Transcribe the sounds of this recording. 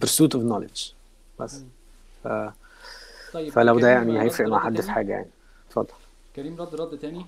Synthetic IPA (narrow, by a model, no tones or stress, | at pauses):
peɾsuːt̪ʊvnɑlḛd̪d͡ʒ̥ | b̥æsː | fæ | fælæwd̪æjaʕnihæjefɾeʔmaʕħad̪ːfiħaːɡæja̰ʕni | t̪fɑd̪ˤːɑlː | n